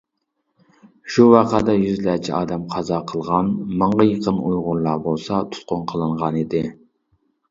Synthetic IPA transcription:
ʃuwɑqʰɑd̪ɑjyzlæt͡ʃʰiɑ̰ːd̪ɛmqʰɑzɑqʰəlˠʁɑnmɑɴʁɑjəqʰənujʁʊɾlˠɑbolˠsɑt̪ʰu̥t̪̚qʊnqʰəlˠɨɴʁɑnid̪ɪ

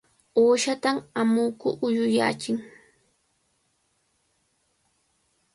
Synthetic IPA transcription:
oːʃat̪amamʊːkʊʔʊjʊja̰ːt͡ʃɪŋ

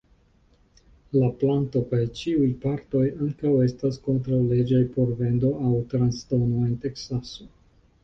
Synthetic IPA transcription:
laplanto̞kajt͡ʃiujpaɾto̞jaŋkawe̞stasko̞ntɾawle̞d͡ʒajpo̞ɾve̞ndo̞awtɾansto̞no̞e̞nte̞ksaso̞

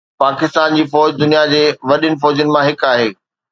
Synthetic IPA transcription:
paːkɪst̪aːnd͡ʑiːfɔːd͡ʑd̪ʊnijad͡ʑeːʋɐɗjʊnɪ̆fɔːd͡ʑijʊnɪ̆mãɦɪkaːɦeː

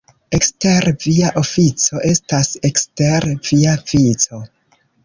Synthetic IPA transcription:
ekste̞ɾviaʔo̞fit͡so̞ʔe̞stase̞kste̞ɾviavit͡so̞

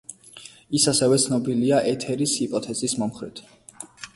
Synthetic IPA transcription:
isasɛvɛt̪sʰnɔbiliaʔɛt̪ʰɛɾishipʼɔt̪ʰɛzismɔmχɾɛ̰t̪ʰ

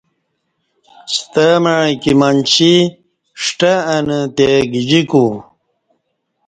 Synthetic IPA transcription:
st̪amaɻkimant͡ɕi | ʂʈaːnət̪eɡid͡ʑiku

